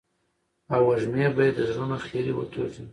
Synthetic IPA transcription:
awaʒmebajad̪zɾonaxeɾiwə̰t̪ʰozi

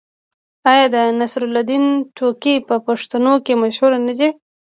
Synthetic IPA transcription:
ɑjɑd̪ənasɾʊlad̪inʈʰokipəpaʂt̪anokemaʃhuɾanad͡ʒe

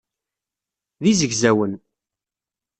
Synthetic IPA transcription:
ðizəɡzæwən

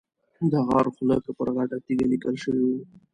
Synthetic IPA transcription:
d̪əɣɑɾxʊləkapəɾɣaʈat̪iɡalikəlʃəwiwi

